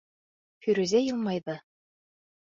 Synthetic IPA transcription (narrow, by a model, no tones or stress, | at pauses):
fyɾʉzæjɤlˠmɑjðɤ